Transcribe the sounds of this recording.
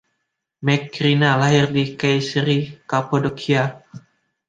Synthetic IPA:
mɛkɾinalaɦɪrdikajsɾikapodokʰia

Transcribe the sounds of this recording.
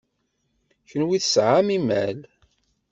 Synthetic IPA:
çənwiθsʕamimæl

